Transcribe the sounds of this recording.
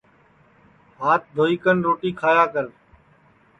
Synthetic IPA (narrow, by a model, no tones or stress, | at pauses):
ɦaːt̪̚d̪ʱoːiːkənɾoːʈiːkʰaːjaːkəɾ